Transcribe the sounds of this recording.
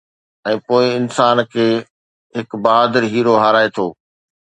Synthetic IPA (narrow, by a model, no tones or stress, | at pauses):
ɛ̃ːpoːɪɪnsaːnkʰeː | ɦɪkbɐɦaːd̪əɾɦiːɾoɦaːɾaːet̪ʰoː